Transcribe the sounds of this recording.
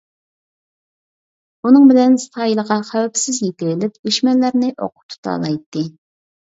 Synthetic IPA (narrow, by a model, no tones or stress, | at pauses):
unɨŋbɪlɛnst̪ʰɑːjilˠəʁɑχæwɛpsɪzjet̪ʲɪɾɪlɪp̚d̪yʃmɛlːæɾnɪʔo̰qʰʊ̥p̚t̪ʰu̥t̪ʰɑ̰ːlˠɑjt̪ːɨ